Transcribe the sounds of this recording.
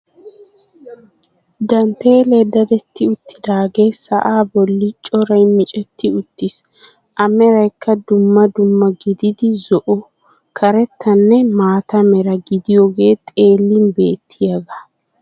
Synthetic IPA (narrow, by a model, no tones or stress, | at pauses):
d̪ɐnt̪ːe̞ːleːd̪ːɐd̪ɛt̪ːɪʊt̪ːɪd̪aːɡe̞ːsɐ̰ʔaːbɔlːɪt͡ʃʼɔɾɐjmɪt͡ʃʼɛt̪ːɪʊt̪ːɪs | ʔɐmɛɾɐjkʰːɐd̪ʊmːɐd̪ʊmːɐɡɪd̪ɪd̪ɪzɔʔʊ | kʰɐɾɛt̪ːɐnːɛmaːt̪ɐmɛɾɐɡɪd̪ɪjoːɡe̞ːt̪ʼe̞ːlːɪnbe̞ːt̪ʰːɪjɐɡɐ